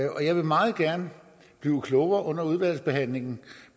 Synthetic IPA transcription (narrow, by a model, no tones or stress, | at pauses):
ɒ̽jɑ̈ɪʋe̝mɑ̈ːð̩ˠɡ̥æɐnə | b̥liːʊkʰlɔʊɐʔɔ̽n̰ɐuð̞ˠʋæl̰sb̥e̝ɦæn̰le̝ŋn̩